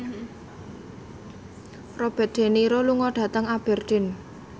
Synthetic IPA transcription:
rob̥ɛ̤t̪̚d̪̥e̤niɾoluŋɔɖ̥ä̤t̪əŋab̥ɛ̤rd̪̥ɪ̤n

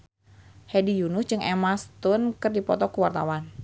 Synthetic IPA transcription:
hɛdijunʊsd͡ʒɨŋɛmast̪ʊnkɨrdipɔt̪ɔkuwart̪a̰wan

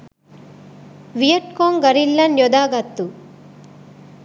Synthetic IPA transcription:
ʋijɐʈkoːŋɡɐɾilːɐnjɔd̪aːɡɐt̪ːu

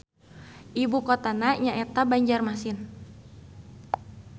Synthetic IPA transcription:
ʔibukot̪anaɲaʔɛt̪abaɲd͡ʒarmasɪn

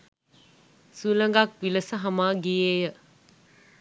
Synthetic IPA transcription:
sulɐŋɡak̚pilɐsɐɦɐmaɡiejɐ

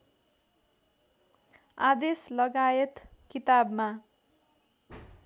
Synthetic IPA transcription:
ad̪eslʌɡajet̪kit̪abma

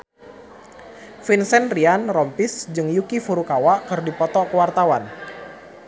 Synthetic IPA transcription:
finsɛnrianrɔmpɪsd͡ʒɨŋjukifuɾukawaʔkɨrdipɔt̪ɔkəwart̪awan

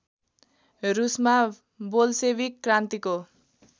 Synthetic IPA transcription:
rusma | bolsebikːrant̪iko

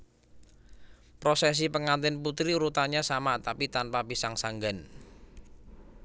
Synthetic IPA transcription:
pɾosɛs̬ipəŋant̪ɪnput̪ɾiɾut̪aɲasamat̪apit̪anpabisaŋsaŋɡan

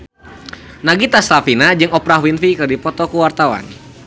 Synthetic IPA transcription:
naɡit̪asɾafinad͡ʒɨŋɔpɾaɦwinfikɨrdipɔt̪ɔkuwart̪awa̰n

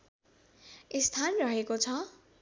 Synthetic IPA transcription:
est̪ʰanrʌɦekot͡sʰʌ

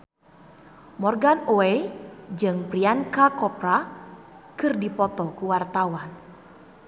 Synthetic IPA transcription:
mɔrɡanoed͡ʒɨŋpriankakɔpra | kɨrdipɔt̪ɔkuwart̪awan

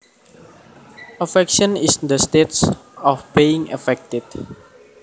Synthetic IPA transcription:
afɛkʃɔ̃nisnd̪əst̪et̪sɔfb̥iɪŋə̰fɛk̚t̪ɪd̪̚

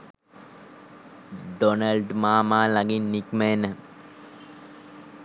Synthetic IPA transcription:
ɖonəlɖmaːmaːlaɡinːikmenə

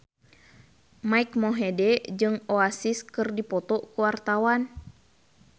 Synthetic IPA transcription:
maikmoɦɛdɛd͡ʒɨŋoasiskɨrdipɔt̪ɔkuwart̪awan

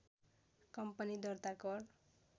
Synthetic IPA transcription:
kʌmpʌnid̪ʌrt̪akʌr

